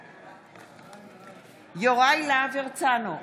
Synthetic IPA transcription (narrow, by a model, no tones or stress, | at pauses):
joʁajlaːveʁt͡sano